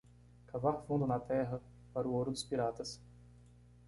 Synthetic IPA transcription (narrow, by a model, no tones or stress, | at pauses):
kavaɾfũd̪ʊnɐt̪ɛɦɐ | paɾʊoɾʊd̪ʊspiɾat̪ɐs